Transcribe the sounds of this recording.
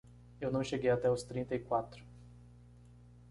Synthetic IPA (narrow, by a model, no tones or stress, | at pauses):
ewnuwʃeɡʲejat̪aust̪ɾint̪ejkwat̪ɾu̥